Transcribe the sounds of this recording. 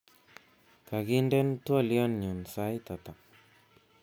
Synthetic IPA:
ka˨ɡi˦ndɛ˦ntwa˦˨liɔ˦nɲu˨nsa˦jt̪a˨t̪a˨

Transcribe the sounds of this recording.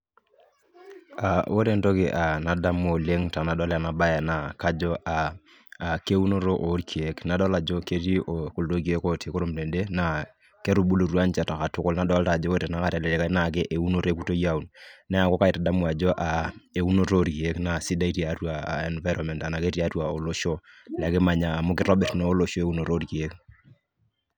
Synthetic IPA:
a˨wo˦ɾe˦nto˦kɪ˨ʔa˨na˨da˦mo˨le˦ŋta˨na˨dɔ˦la˨na˨ba˦ja˨na˨ka˦d͡ʒɔ˦ʔaː˨ | ke˦u˦no˦ɾo˦ʔo˨˦ɾkʰi˨e˦kna˨dɔ˦la˨d͡ʒo˦ke˦ti˦o˨ku˨ldo˦k̬i˦e˦ko˦te˨ko˦ɾo˦mle˨nde˦na˨ | ke˦ɾu˨bu˦lo˨ɾwa˦nt͡ʃa˨ta˨ka˨tʊ˦kʊ˦lna˨˦dɔ˨˦lta˨d͡ʒɔ˦ko˦tɛ˨na˨˦ka˦˨ta˨lɛ˨ɾɛ˨ka˦na˨k̬ɛ˦ʔe˨u˦no˨ɾe˦ku˦to˦ja˦u˨nnɛ˦a˨kɔ˦ka˦ɪ˨ta˨da˦mwa˨d͡ʒɔ˦ʔa˨e˨u˦no˦ɾo˦ɾki˨e˦kna˨si˦da˦i˦ti˨a˨˦twa˨a̰˨ɛ˨nva˦jɾʔɔ˨mɛ˨nta˨na˨ke˦ti˦a˦twa˨o˨lo˦ʃo˦ | lɛ˨kɛ˦ma˨ɲa˨mo˦kɪ˦ɾɔ˦bɛ˨tnoː˦lo˨ʃo˦e˦u˦no˨ɾo˦ɾki˨e˦k

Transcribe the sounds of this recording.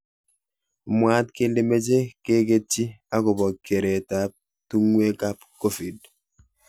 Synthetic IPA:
mwa˦tke˦nde˦me˦d͡ʒe˦ke˦ke˦t͡ʃːi˦a˦kɔ˨bɔ˨kːe˨ɾe˨ta˦p̚ | tu˦ŋwe˦ka˦pko˦fi˨d

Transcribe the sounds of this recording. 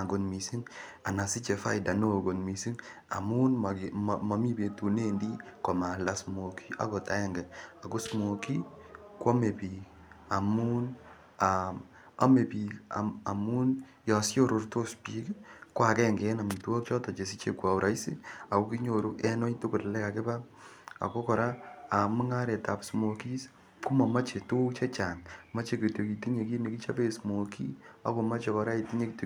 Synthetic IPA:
a˨ŋɡo˨nmi˨si˦ŋa˨na˨si˦t͡ʃe˨fa̰˦ɪda˨no˦˨ɡo˨nmi˨si˦ŋ | a̰˨mu˦nma˨ma˨mi˦be˨tu˨ne˦ndi˦kɔ˨ma˨la˦smo˨kʰi̥˦ʔa̰˨kɔ˨ta˨ɛ˦ŋɡɛ˨a˨kʊ˦smo˨ki˦ | kɔ˦me˨pi˨k | a˨mu˦n | a | a̰˦me˨pi˨ka̰˨a˨mu˦n | jɔ˨sjo˦ɾo˨rto˦spi˦kkwa˨kɛ˦˨ŋɡɛ˨˦na˨mi˨tu˦wɔ˦k̚t͡ʃɔ˦tɔ˨t͡ʃe˨s̬i˦t͡ʃḛ˨kwa˨u˨ɾʔa˦i˦si˦a˨ko˦ki˦ɲo˨ɾo˦ɛ˦no˦tu˦kʊ˨tlɛ˦ka˨ke˦ba˦ | a̰˨ko˦kɔ˨ɾa˦a˨mu˦ŋa˦ɾe˨ta˨psmo˨ki˦s | ku˦ma˨ma˦t͡ʃe˨to˦kt͡ʃe˦t͡ʃa˨ŋma˦t͡ʃe˦ke˨to˨ki˨ti˦ɲe˨k̬i˦me˨ki˦t͡ʃa˦pe˦smo˨kḭ˦a̰˦ko˨ma˦t͡ʃe˨kɔ˨ɾa˦i˨ti˦ɲe˨ki˨to

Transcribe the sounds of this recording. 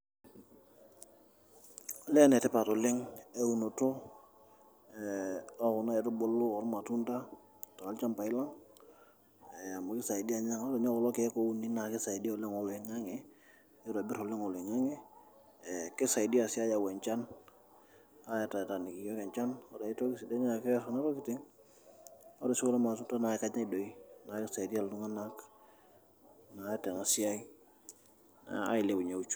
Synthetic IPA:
ɔ˨lɛ˦nɛ˨tɪ˦pa˨tɔ˨lɪ˦ŋe˦u˨no˨tʊ˦ | ɔ˦ʊ˨na˦ɛ˨tʊ˦bo˨˦lʊ˦ɔ˨˦ɾma˨tu˦nta˦ | ta˨ka˨lt͡ʃa˦mpa˨ɪ˦la˦ŋ | ɛ˨a˨mʊ˨kɪ˦sa˨ɪ˨di˦a˨ɲa˦ŋ˦tɔ˨˦ɲɔ˦kɔ˨lɔ˦ke˨˦ko˦u˦ni˦na˨kɪ˦sa˨i˨di˦ɔ˨lɪ˦ŋɔ˨lɪ˨ŋa˦ŋɪ˨˦ | jo˦ɾbɪ˦ɾɔ˨lɪ˦ŋɔ˨lɪ˨ŋa˦ŋɪ˦ | kɪ˦sa˨i˨di˦a˨si˦a˦ja˨wɛ˨ɲt͡ʃa˦n | a˦ja˨ta˨ta˨ni˨ki˨ɡɔ˦kɛ˨ɲt͡ʃa˦nɔ˦da˨i˦tɔ˦kɪ˦si˨da˦ɲa˦kɛ˦sɔna˦tɔ˦kɪ˦tɪ˦ŋ | ɔ˦dɔ˨si˦kɔ˦lɛ˦ma˨s̬u˦nta˦na˨ɛ˦ka˦ɲa˦i˨do˨i˦na˨kɪ˦sa˨i˨di˦a˨lu˦ŋa˦na˦k | na˨˦tɛ˨ŋa˨si˦a˦i˦ | a̰a̰˦i˨le˨bu˨ɲa˨u˦t͡ʃu̥˦

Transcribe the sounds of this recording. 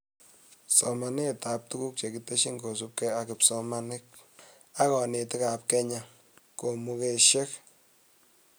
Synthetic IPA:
sɔ˨ma˨ne˦˨ta˨p̚tu˦ku˦k̚t͡ʃe˨ki˨te˦ʃi˦ŋɡo˨s̬u˦p̚kɛ˦a˨kɪ˨psɔ˦ma˦nɪ˦k̚ | a˦kɔ˨ne˨tɪ˦ka˨p̚kɛ˦ɲa˦ | ko˨mu˦ke˦ʃe˦k

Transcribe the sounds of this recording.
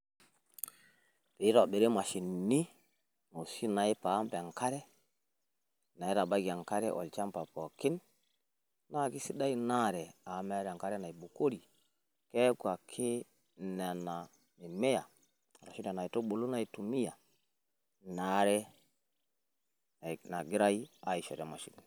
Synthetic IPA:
ɾi˨i˦ɾo˨ɓe˨ɾe˦ma˨ʃi˨nːi˦ | ŋo˨si˦na˨i˦pa˨˦mpa˨ŋka˦ɾɛ˦ | na˨i˦ɾa˨ɓa˦ɡi˨a˨ŋka˦ɾɛ̰˦ʔo̰˨lt͡ʃa˦mpa˨po˨ki˦nː | a˦˨ki˦si˦ɗa˦i˦na˦ɾɛ˨a˨˦me˦ɾa˨ŋka˦ɾɛ˦na˨i˨ɓu˨ko˦ɾi˨ | ke˦kwa˨kʰe˦ | na˨na˨ | mi˨me˦ja˨ | ɾa˨ʃi˦da˨na˨i˨to˦ɓo˨lu˦na˨i˦tu˨mi˦ja˨ | na˦ɾɛ˦ | a˨na˨ɡi˦ɾa˦i˦a˨i˨ʃe˨ɾe˨ma˨ʃḭ˨nni˨

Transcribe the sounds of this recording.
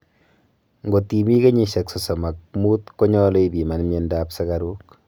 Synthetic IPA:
ŋɡo˨ti˨mi˦ke˦ɲi˨ʃe˨kso˨sɔ˨ma˨k̚mu˦tko˦ɲɔ˦lo˦ibi˨ma˨nmje˦ndaːpsa˦ka˦ɾuk

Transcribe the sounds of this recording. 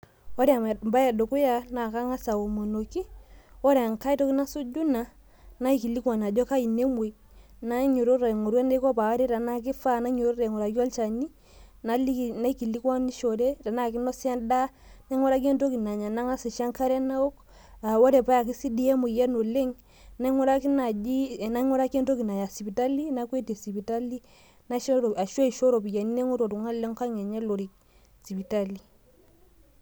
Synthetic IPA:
ɔ˦ɾe˦a˨m˨mba˦ja˨do˨ku˦ja˦na˨ka˦ŋa˦sa˨wo˨mo˨no˨ki˦ɔ˦ɾɛ˨a˨ŋka˦i˦tɔ˦ki˦na˦su˦d͡ʒu˦na˨ | na˦i˦˨ki˨li˦kwa˨na˨d͡ʒɔ˦ka˦i˨ne˦mu˨j | na˦ɲu˨ɾo˦ɾa˨ŋo˨ɾwa˦ne˦kɔ˦pa˨wa˦ɾe˦ɾa˨na˦ki˦fa˦na˦ɲu˨ɾo˦ɾe˨ŋo˨ɾa˨ɡa˦lt͡ʃa˨ni˦ | na˦li˦˨na˦i˦ki˨li˦ka˦ni˦ʃo˨ɾe˦ta˨na˦˨ki˦nɔ˦sa˦nda˦na˦ŋɔ˦ɾa˦k̬e˦nto˦ki˨na˨ɲa˨na˦ŋa˦si˨ʃa˦ŋka˦ɾɛ˦na˦o˦k | a˨wɔ˦dɛ˨pa˦ja˨k̬i˦si˦di˦ɛ˦mu˨jɛ˦no˨le˦ŋ | na˦ŋɔ˦ɾa˦ki˦na˨d͡ʒi˦˨na˦ŋɔ˦ɾa˦ke˦nto˦ki˨na˨ja˨si˨pi˨ta˦li˦na˦ke˦ti˨si˨pi˨ta˦li˦ | na˦ʃɔ˦ɾɔ˨a˨ʃo˦i˨ʃo˦ɾo˨pi˨ja˨ni˦ne˦ŋu˦ɾo˨tu˨ŋa˦le˦ŋka˦ŋɛ˨ɲɛ˦lo˨ɾi˨k̚ | si˨pi˨ta˦li˨

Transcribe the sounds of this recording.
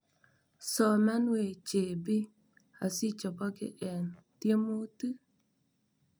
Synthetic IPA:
sɔ˨ma˦nwe˨t͡ʃe˨bɪ˦ | a˨si˦t͡ʃɔ˨pɔ˦kɪ̰˦ʔɛ˨n | tje˦mo˦tɨ˦

